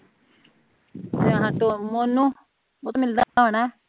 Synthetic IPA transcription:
t̪eəɦãːʈomonũː | ot̪ːmɪld̪aoːɳaː

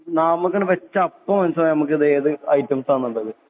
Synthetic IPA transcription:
nɐmukːɐɳɖɨʋet͡ɕːɐɐpːɐmɐnsɐnɐmuk̬ːiðeːðɨɐjtːɐmsaːnːuɳɖɐðɨ

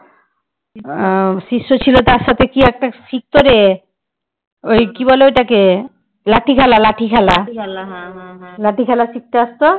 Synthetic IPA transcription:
ʃiʃːot͡ɕʰilot̪aɾʃat̪ʰekiɛk̚ʈaʃik̚t̪oɾe | ojkibɔleojʈake | laʈʰikʰɛlalaʈʰikʰɛla | laʈikʰɛlasik̚t̪east̪o

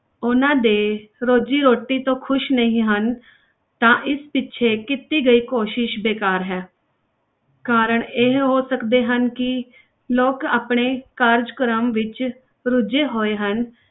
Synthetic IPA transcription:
ʊnãːd̪eːɾoːd͡ʒiːɾoːʈːiːt̪õːkʰʊʃnəɦĩːɦən | t̪ãːʔɪspɪtːʃʰeːkɪt̪iːɡəiːkoːʃɪʃbeːkaːɾɦɛː | kaːɾəɳeɦɦoːsəkd̪eːɦənkɪ | loːkaːpɳeːkaːɾd͡ʒkɾəmʋɪt͡ʃ | ɾʊd͡ʒeːɦoːeːɦən

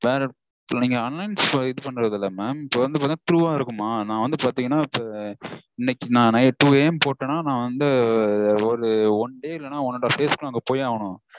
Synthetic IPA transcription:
ʋeːɾɐ | niːŋɡɐɐnlɐɪnsɪðɯpɐɳːɯɾɐðɪlːɐmeːmɪpːoɾɐnd̪ɯp̬aɾt̪ːaɐt̪ɾuːaːɪɾɯkːɯmaːnãːʋɐnd̪ɯpaːt̪iːŋɡɐnːaːɪpːo | ɪnːɛkːɪnãːnɐjɛʈːuːeːmpoːʈːɐnaːnãːʋɐnd̪ɯ | ɔɾɯɔɳɖeːɪlːɐnːaːɔnːɐʈːafeːsbkːɐŋɡɐpoːjaːʋɐɳʊ̃

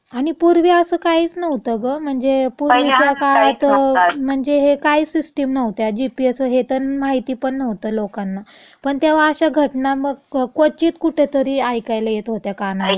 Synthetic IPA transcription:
aɽ̃ipuɾʋiəsəːkaiːt͡snəʋt̪əɡəm̤əɳd͡zepuɾʋit͡ɕjakaɭat̪m̤əɳd͡zeɦekaɦiːsisʈemnəʋt̪jad͡ʑipiəsəɦet̪ənmaɦit̪iːpəɳːəʋt̪əlokanːapəɳt̪jeʋ̤aːɕaɡʱəʈnaməɡkot͡ɕiːt̪kuʈʰet̪əɾiːajkajlajet̪ɦot̪jakanale

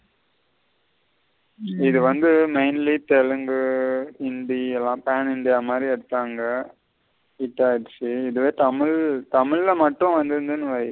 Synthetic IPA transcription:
ɪðɯʋɐnd̪ɯmɐɪnlit̪ɛɻɯŋɡɯɪnɖ̪iɛlːãːpaːnɪnɖ̪ɪjaːmaːd̪ɾiɛɽɯt̪ːaːŋɡɐ | ɪʈːaːɪʈt͡ʃːiɪðɯʋeːt̪ɐmɪɭt̪ɐmɪɻlɐmɐʈːʊ̃ʋɐnd̪ɯɾɯnd̪ɯnːɯʋɐɾɐ

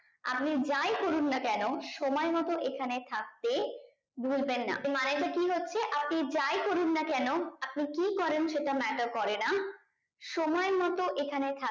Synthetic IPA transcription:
a̰p̚nid͡ʑajkoɾunːakɛnoʃɔmɔemɔt̪oʔekʰanet̪ʰak̚t̪e | bʱulbenːa̰maned͡ʑakiɦotːɕʰeʔap̚nid͡ʑajkoɾunːakɛnoap̚nikikɔɾenʃeʈamɛʈaɾkɔɾena | ʃɔmɔemɔt̪oʔekʰanet̪ʰa

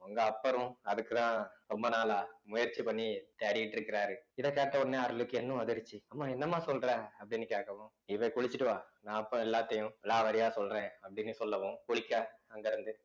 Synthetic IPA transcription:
ʊŋɡɐːpːɐɾʊ̃ɐðɯkːɯt̪ãːɾɔmbɐnaːlaːmʊjɐɾt͡ʃːipɐɳːit̪eːɾɪjɪʈːɪɾɯkːɪɾaːɾɯɪðɐkeːʈːɐʊnːeːɐɾɯlɯkːɯɛnːʊ̃ɐðɪɾt͡ʃːiɐmːaːɛnːɐmːaːsɔlɾẽːɐpːɐɽɪnːɯkeːʈkɐʋõ | ɪʋɐkʊɭɪt͡ʃːɪʈːɯʋaːnãːɐpːɾʊ̃ɛlːaːt̪ːɐjʊ̃ɛlːaːʋɐɾɪjaːsɔlɾẽːɐpːɽɪnːɯsɔlːɐʋõkʊɭɪkːaːɐŋɡɐɾɯnd̪ɯ

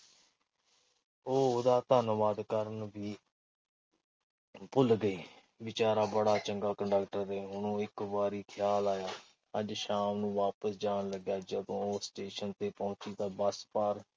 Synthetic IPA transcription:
oːd̪aːt̪ənəʋaːd̪kəɾənʋiː | pʊlɡəiː | ʋɪt͡ʃaːɾaːbəɽaːt͡ʃəŋɡaːkəɳɖəkʈəɾeːɦʊnũːɪkʋaːɾiːkʰɪjaːlaːjaː | əd͡ʒʃaːmnũːʋaːpəsd͡ʒaːnləɡjaːd͡ʒəd̪õːoːsʈeːʃənt̪eːpɔ̃ːt͡ʃiːd̪aːbəspaːɾ

